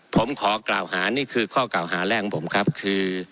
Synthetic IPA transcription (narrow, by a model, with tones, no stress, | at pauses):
pʰo˩˦mkʰɔː˩˦kla̰ː˨˩whaː˩˦niː˥˩kʰɯː˧kʰɔː˥˩klaː˨˩wɦaː˩˦lɛ˥˩ŋ˦pʰo˩˦mkʰɾa˦˥p̚kʰɯː˧